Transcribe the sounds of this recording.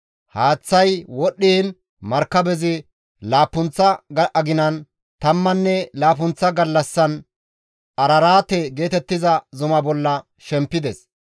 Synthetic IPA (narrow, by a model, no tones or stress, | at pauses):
haːt͡sːɐjwɔɗːiːn | mɐɾkːɐbɛzɪ | laːpːʊnt͡sːɐʔɐɡɪnɐn | t̪ɐmːɐnːɛlaːp̬ʊnt͡sːɐɡɐlːɐsːɐn | ʔɐɾɐɾaːt̪ɛɡe̞ːt̪ɛt̪ːɪzɐzʊmɐbɔlːɐ | ʃɛmpːɪd̪ɛs